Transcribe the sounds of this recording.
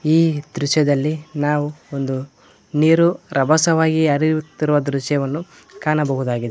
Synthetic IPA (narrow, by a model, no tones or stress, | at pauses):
iːd̪ɾuʃjɐd̪ɐlːinaːʋuond̪u | niːɾuɾʔɐbʱɐsɐʋaːɡiɐɾiɾut̪ːiɾuʋɐd̪ɾuʃjɐʋɐnːu | kaːnɐbɐɦud̪aːɡid̪e